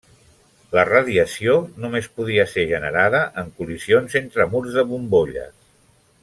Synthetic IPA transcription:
lərəðiəsionumespuð̞iəseʒənəɾaðəʔəŋkulizionzent̪ɾəmuɾzðəβumboʎə̰s

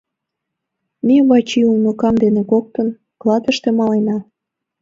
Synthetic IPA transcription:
mʲeβɑt͡ɕiulnokɑmd̪enekok̚t̪ə̆n | klɑd̪ə̆ʃt̪ĕmɑlenɑ

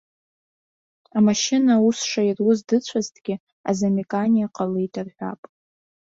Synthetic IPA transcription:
amaʃɪnausʂairwuzdɨt͡ɕʷʰaztʰʼɡʲɪ | a̰zamikʼanʲijaqʼalɨitʰʼarħʷᶣa̰pʼ

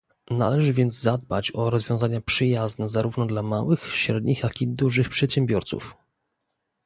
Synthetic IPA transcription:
na̰lɛʐɘvʲjɛnd̪zzad̪̚ba̰t͡ɕɔɾɔzvʲjɔ̃w̃zaɲapʂɘjaznɛzaɾuvnɔd̪lamawɘxɕɾɛd̪ɲixjakʲid̪uʐɘxpʂɛt̪ɕɛmbʲjɔɾt̪sṵf

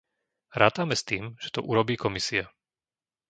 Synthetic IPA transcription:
ɾaːt̪aːmɛst̪iːmʒ̥ɛ̥t̪ɔ̰ʔuɾɔbiːkɔmisia

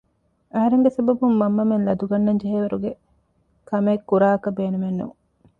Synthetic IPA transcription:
ɐɦɐɾeŋɡesɐbɐbumːɐmːɐmenlɐd̪uɡɐnːɐɲd͡ʒeɦeːʋɐɾuɡe | kɐmɐːkːuɾaːɐkɐbeːnumenːṵ

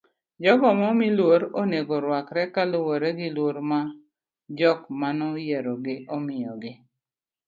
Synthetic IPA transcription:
d͡ʒɔɡɔmɔmilwoɾoneɡɔɾwakɾɛkalʊwoɾɛɡɪlwoɾma | d͡ʒɔkmanɔjɛɾɔɡɪʔɔmɪjɔɡɪ

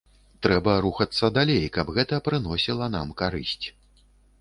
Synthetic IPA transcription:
t̪ɾɛbɐɾuxɐt̪sːɐd̪alʲejkɐbɣɛt̪ɐpɾɨnɔsʲilˠɐna̰mkaɾɨ̰sʲt͡sʲ

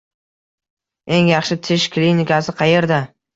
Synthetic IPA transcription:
e̞ŋjɑχʃɪt̪ʰɪʃkʰlinikʲasɪqʰɑje̞ɾd̪a

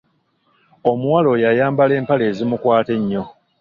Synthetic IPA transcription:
o̞muwalo̞jajaːmbale̞ːmpale̞ːzimukwaːte̞ɲːo̞

